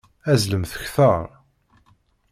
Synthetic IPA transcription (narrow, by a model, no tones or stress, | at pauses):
æzləmθə̥çθɑɾˤ